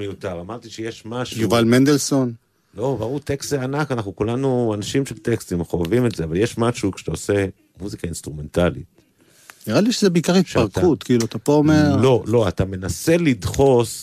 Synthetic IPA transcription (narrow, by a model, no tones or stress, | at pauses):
mejutaʁamaʁt̪iʃejeʃmaʃujuvalmend̪elso̞n | lo̞baʁuʁt̪ekst̪zeanakanaχnukulanuanaʃimʃelt̪ekst̪imχoavimetzeavaljeʃmaʃukʃe̥t̪aose̞ | muzikainst̪ʁume̞ntalḭt̚ | niʁaliʃezebeikaʁitʃaʁkut̪kiːluat̪apoomeʁlo̞lo̞at̪ame̞nase̞lidχo̞s